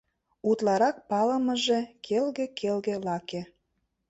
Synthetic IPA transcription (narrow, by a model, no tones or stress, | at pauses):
ut̪lɑɾɑk̚pɑlə̆mə̆ʒe̽kʰelɣekelɣĕlɑke